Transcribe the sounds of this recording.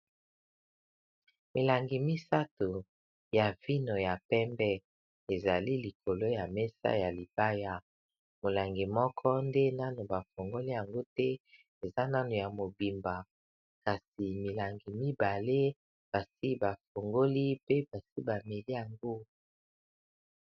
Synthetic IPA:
mi˨la˨ŋɡi˨mi˦sa˦to˨ | ja˨vi˦no˨ja˨pɛ˦mbɛ˦ | e˨za˨li˦li˨kʰo˨lo˦ja˨mɛ˦sa̰˦ja˨li˨ba˦ja˦ | mo˨la˨ŋɡi˨mɔ˦kʰɔ˦nde˦na˦no˨ba˨fo˨ŋɡo˦li˦ja˨ŋɡo˦tɛ˦ | e˨za˦na˦no˨ja˨mo˨bi˨mba˨ | ka˨si˨mi˨la˨ŋɡi˨mi˦ba˨le˦ | b̥a˨si˦ba˨fo˨ŋɡo˦li˦pe˦ba˨si˦ba˨me˨li˦ja˨ŋɡo˦

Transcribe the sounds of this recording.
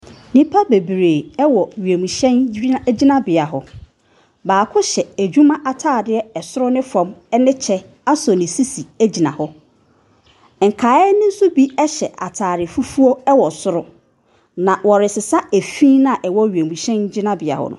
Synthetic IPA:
nĩ˦pʰa˦be˨bɾeː˨ɛ˦wɔ˨ɥe˨mũ˨ɕɛ̃˦n˦d͡ʑi˦nã˦bɪ˨a˨ɦʊ˨ | baː˨kʰʊ˦ɕɛ˨æ˨d͡ʑᶣu˦mã˦ʔa˨tʰaː˦˨dɪ˦ɛ˦ɛ˨sʊ˦ɾʊ˦nɪ̃˦fɔ̃˨mɛ˦nɪ̃˦t͡ɕʰɛ˦ | a˦sɔ˨nɪ̃˨si˦si˨æ˦d͡ʑi˨nã˨hɔ˦ | ŋ̩˨kʰaː˨˦ɛ˦nɪ̃˦n̩˦sʊ˦bi˦ɛ˦ɕɛ˨ʔa˨tʰaː˨ɾɪ˨fu˦fu˦o˦ɛ˦wɔ˨sʊ˦ɾʊ˦ | nã˨wɔ˨ɾɪ˨sɪ˨sa˦æ˨fĩ˦nã˦˨ʔɛ˨wɔ˦ɥe˨mũ˨ɕɛ̃˦nd͡ʑɪ˦nã˦bɪ˨a̰˨hʊ̰˦nʊ̰̃˦

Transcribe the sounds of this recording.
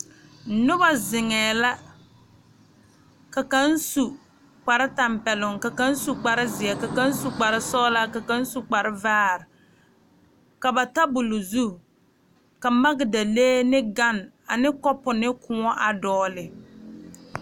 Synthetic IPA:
nʊ˦ba˨zɪ˨ŋɛː˨la˦ | ka˨ka˦n˦su˨ | k͡pa˨ɾɪ˦ta˨mpɛ˨lʊ˨ŋka˨ka˦n˦su˨k͡pa˨ɾɪ˦zɪ˨ɛ˨ka˨ka˦n˦su˨k͡pa˨ɾɪ˦sɔ˦la˦ka˨ka˦n˦su˨k͡pa˨ɾɪ˦vaː˦ɾɪ˨ | ka˨ba˨ta˦bʊ˨lʊ˨zu˦˨ | ka˨ma˦ɡɪ˨da˨leː˦nɪ˦ɡa˦n | a˨nɪ˦kɔ˦pʊ˨nɪ˦kʊ˨ŋɔ˦ʔa˨dɔː˦lɪ˨

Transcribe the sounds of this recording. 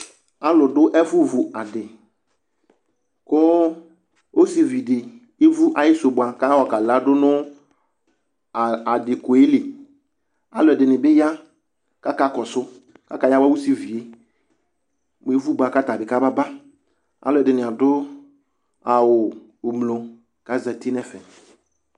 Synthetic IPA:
a˦lʊ˨dʊ˦ʔɛ˦fʊ˦vu˨a˨dɪ˨ | kʊ˦ | o˦si˨vi˨dɪ˨ | e˦vu˦ʔa˨jɪ˦sʊ˨bʊ˨a˨ka˦wɔ˨ka˨la˦dʊ˦nʊ˦˨ | a˨dɪ˨ko˨e˦le˨ | a˦lʊ˨ɛ˨dɪ˨nɪ˨bɪ˦ja˦ | ka˦ka˦kɔ˨sʊ˦ | ka˦ka˦ja˦wa˦wu˦si˨vi˨e˨ | m˨e˨˦vu˦ba˨ka˦ta˨bɪ˨ka˦ba˦ba˦ | a̰˦lʊ˦˨ɛ˨dɪ˨nɪ̃˨a˨dʊ˦ | a˨wʊ˨ | ʊ˨mlo˨ | ka˨za˨ti˦nɛ˦fɛ˨

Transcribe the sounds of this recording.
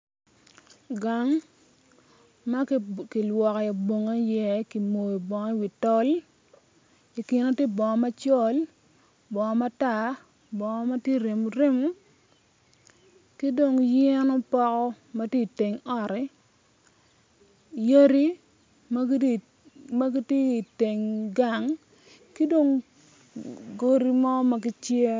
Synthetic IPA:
ɡa˨ŋ | ma˦ki˨lwɔ˨kɔ˨ja˨bo˨ŋa˦jɛ˦ki˨mo˨i˨bɔ˨ŋɔ˦i˦wi˨tɔ˦l | i˨kɪ˨no˦tje˦bɔ˨ŋɔ˨ma˦t͡ʃɔ˦l | bɔ˨ŋɔ˨ma˦ta˦˨ | bɔ˨ŋɔ˦ma˦tje˦˨ɾe˨mu˨ɾe˦mu˦ | ki˦do˨ŋjɛ˦nɔ˦pɔ˦kɔ˦ | ma˦tje˦i˨te˨ŋɔ˦ɾɛ˨˦ | je˦ɾi˦ | m˦ | ma˦ɡi˦te˦i˨te˨ŋɡa˨ŋ | ki˦do˦ŋ | ɡo˦ɾi˦mɔ˦ma˦ki˦t͡ʃje˦

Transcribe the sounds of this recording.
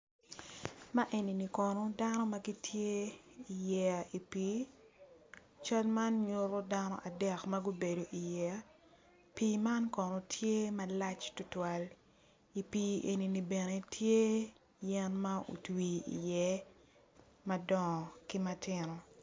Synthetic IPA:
ma˦ʔe˨ni˨ni˨kɔ˨no˦da˦nɔ˦ma˦ɡi˦tʰje˦i˨jɛ˦a˨i˨piː˦ | t͡ʃa˦lma˦nɲo˦ɾo˦da˦nɔ̰˦ʔa˨dɛ˦kmɐ˦ɡo˦be˨do˨ʔi˨jɛ˦a˦ | pi˦ma˦nkɔ˨no˨tʰje˦mɐ˦la˦t͡ʃtʊ˦twa˨l | i˨piː˦e˨ni˨ni˨be˨ne˨tʰje˦ | jɛ˦nma˦o̰˨twi˨ḭ˨jɛ˦ | mɐ˦dɔ˨ŋɔ˨ki˦mɐ˦tɪnɔ˨

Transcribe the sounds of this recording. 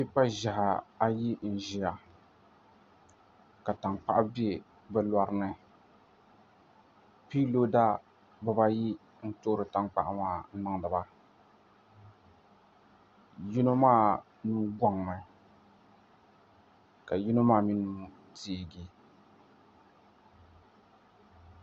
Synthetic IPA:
pi˦pa˦ʒa˨ha˨a˦ji˦n̩˨ʒi˨a˨ | ka˨ta˨ŋk͡pa˦ʔa˦bi˦e˨ | bɛ˦la˦ɾɨ˦nɨ˦ | pi˦lo˦da˦ | bɨ˦ba˦ji˦ | n̩˦to˦ɾɨ˨ta˨ŋk͡pa̰˨ʔa˦ŋaː˦˨n̩˦nɨ˦ŋ˨dɨ˨ba˦ | ji˦no˦maː˦ | nu˦ɡɔ˦ŋ˨nɨ˨ | ka˨ji˦no˦maː˦˨mi˦nu˦ | tiː˦˨ɡi˨

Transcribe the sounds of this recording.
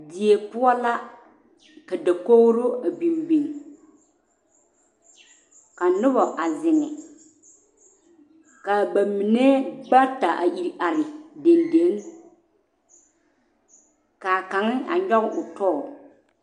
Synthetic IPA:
di˨e˨pʊ˦ɔ˦la˦ | ka˨da˨ko˦ɣɾo˦a˨bi˨mbi˨ŋ | ka˨nʊ˦bɔ˨ʔa˨zɪ˨ŋɛ̰˨ | ka˨ba˨mi˨ne˦ɡ͡ba˦ta˨ʔa̰˨ʔi˨ɾʔa˨ɾɪ˨de˨nde˨˦ŋ | ka˨ka˨ŋɪ˦a̰˨ɲɔ˦ɣɪ˦ʔʊ˨tɔː˦ɔ˨

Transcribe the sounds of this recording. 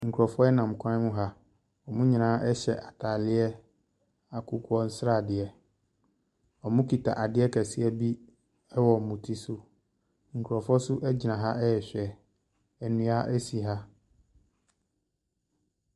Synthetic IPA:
ŋ̩˨kʰɔ˨fɔ˦ɛ˦nã˨m˨kʰʷã˦n˦mʊ̃˦ɦa˦ | ɔ˨mʊ̃˦ɲi˨nãː˨˦ʔɛ˦ɕɛ̰˨ʔa˨tʰa˨lɪ˦ɛ˦ | a˨kʰʊ˦kʰʊ˦ɔ˦n̩˦sɾa˦˨dɪ˨ɛ˨ | ɔ˨mʊ̃˦ki˨tʰa̰˨ʔa˨dɪ˦ɛ˦kʰɛ˨sɪ˦ɛ˦bi˦ | ɛ˦wɔ˨mũ˨tʰi˦sʊ˦ | ŋ̩˨kʰu˨ɾɔ˨fɔ˦sʊ˦ʔɛ˦d͡ʑi˨nã˨ɦa˦ɛ˦jɛ˨ɕᶣɛ˨ | ɛ˨nũ˨˦a˦ʔɛ˦si˨ɦa˦

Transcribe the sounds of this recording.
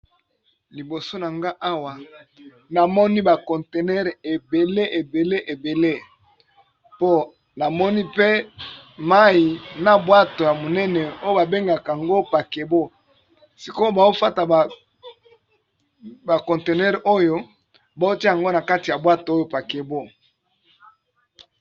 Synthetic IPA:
li˨bo˨so˦na˨ŋɡa˦ʔa˦wa˨ | na˨mɔ˦ni˦ba˨kɔ̃˨nte˨nɛ˦ʁe˨be˨le˦ʔe˨be˨le˦ʔe˨be˨le˦ | po˦ | na˨mɔ˦ni˦pe˦ | ma˦i˨na˨bwa˦to˨ja˨mo˨nɛ˦nɛ˨o˦jo˦ba˨be˦ŋɡa˨ka˨a˨ŋɡo˦pa˨ke˨bo˦ | si˨ko˦o˦ba˨o˦fa˦ta˨ | ba˨kɔ̃˨nte˨nɛ˦ʁo˦jo˦ | ba˨o˦ti˦˨a˨ŋɡo˦na˨ka˦ti˨ja˨bwa˦to˨o˦jo˦pa˨ke˨bo˦

